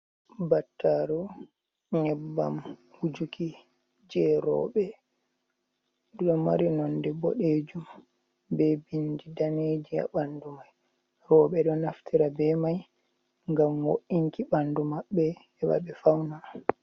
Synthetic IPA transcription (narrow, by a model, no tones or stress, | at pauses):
batːaɾu | ɲɛbːa̰mhud͡ʒuki | d͡ʒɛɾɔ̰ːɓɛ | ɗuɗɔma̰ɾinɔndɛbɔ̰ɗed͡ʒum | bɛbindidaned͡ʒia̰ɓandumaj | ɾɔːɓɛɗɔnaftʰiɾabɛmaj | ŋɡamwoʔiŋkiɓandumaɓːɛː | ɓa̰ɓɛfawna